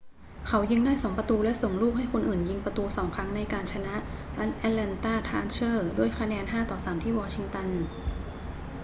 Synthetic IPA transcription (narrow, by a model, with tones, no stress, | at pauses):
kʰa˦˥wjɯ˧ŋdaː˥˩jsoː˩˦ŋpɾa˧t̪uː˧lɛ˦˥ʔso˨˩ŋluː˥˩k̚ha˥˩jkʰo˧nʔɯː˨˩nji˧ŋpɾa˧t̪uː˧sɔː˩˦ŋkʰɾa˦˥ŋna˧jkaː˧nt͡ɕʰa˧na˦˥ʔ | ʔɛ˧lɛ˧nt̪aː˥˩t̪ʰaː˥˩nt͡ɕʰɤː˥˩du˥˩əjkʰa˧nɛː˧nɦaː˥˩t̪ɔː˨˩saː˩˦mt̪ʰiː˥˩wɔː˧t͡ɕʰi˧ŋt̪a˧n